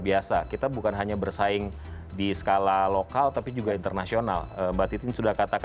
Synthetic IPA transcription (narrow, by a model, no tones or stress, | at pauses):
biasakit̪abukanɦaɲabərsaɪŋ | disə̥kalalokalt̪apid͡ʒuɡaint̪ərnasiona̰ləːbat̪it̪ɪnsudahkat̪ak